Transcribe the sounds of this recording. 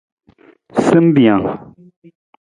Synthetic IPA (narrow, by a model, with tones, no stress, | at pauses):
sə˦mbi˨ja˨ŋ